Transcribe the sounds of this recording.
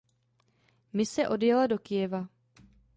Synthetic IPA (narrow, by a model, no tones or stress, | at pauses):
mɪsɛʔo̞djɛlado̞kɪjɛva